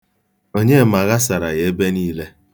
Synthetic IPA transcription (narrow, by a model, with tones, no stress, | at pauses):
o˦ɲe˦˨ma˨ɣa˦sa˨ɾa̰˨je˨e˦be˦niː˦le˦